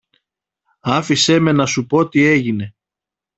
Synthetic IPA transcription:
ɐfise̞me̞nɐsupo̞t̪ie̞ʝine̞

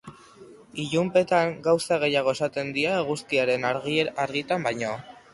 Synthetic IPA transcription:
iʎumpe̞t̪aŋɡawsaɣ̞e̞jaɣ̞o̞e̞sat̪e̞nd̪iaeɣ̞uskiaɾe̞naɾɣiaɾɣit̪ambajɲo̞

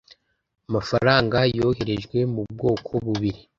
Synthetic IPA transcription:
amafaɾaːŋɡajo̞ːhe̞ɾe̞ʒɡwe̞mub̚ɡo̞ːkʰo̞βuβiɾi

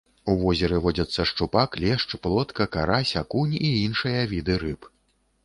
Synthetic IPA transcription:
uvɔzʲɛɾɨvɔd͡zʲɐt̪sːɐʂt͡ʂupaklʲɛʂt͡ʂplˠɔt̪kɐkaɾasʲakunʲiinʂɨjɐvʲid̪ɨɾɨp

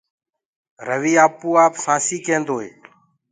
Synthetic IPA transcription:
ɾəʋiːaːpuːaːpsãːsiːkẽːnd̪oːɦḛː

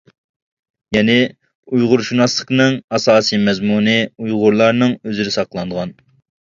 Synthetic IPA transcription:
jɛnɪ | ujʁʊɾʃunɑslˠəqnɨŋɑsɑːsijmɛzmunɨujʁʊɾlˠɑɾnɨŋøzɪɾɪsɑqəlˠɑnd̪əʁɑn

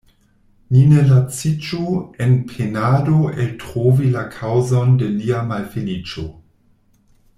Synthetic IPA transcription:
ninelat͡sit͡ʃuenpʰenadoeltʁovilakʰawzo̞ndeliamalfinit͡ʃo

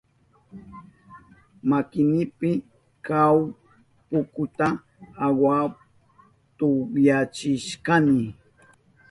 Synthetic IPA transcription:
makɪnɪpɪ | kaw | pʊkʊt̪a | awa | t̪ojat͡ʃɪʃkanɪ

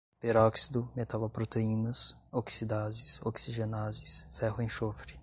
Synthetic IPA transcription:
peɾɔksid̪ʊmet̪alopɾot̪eĩnɐsoksid̪azɪsoksiʒenazɪsfɛhʊẽj̃ʃofɾɪ

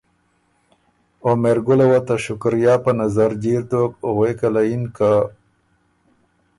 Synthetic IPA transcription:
omeɾɡʊlewat̪aʃʊkɾjaːpənazaɾd͡ʑiɾt̪ok̚ɣwekalainka

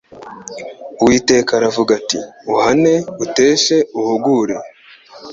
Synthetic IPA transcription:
wiːte̞ːkaɾavuɡatiuhane̞ute̞ːʃe̞uhuɡuːɾe̞

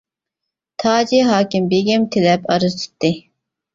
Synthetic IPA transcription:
t̪ʰɑːd͡ʒiɦɑːkʲɪmbeɡʲɛmt̪ʰɪlɛpɑɾɨzt͡ʃ̪ʰi̥t̪ːɨ

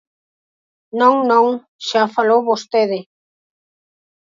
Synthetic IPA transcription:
nõŋnõŋ | ʃafalowβost̪eðɪ

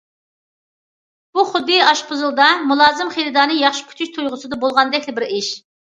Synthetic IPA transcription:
b̥uχʊd̪ɨjɑʃqʰʊzɨlˠd̪ɑmulˠɑːzɨmχelɪd̪ɑːnɨjɑχʃi̥pʰy̥t̪ʰyʃt̪ʰujʁʊsɨd̪ɑbolˠʁɑnd̪ɛkʲlɪbɪɾɪʃ

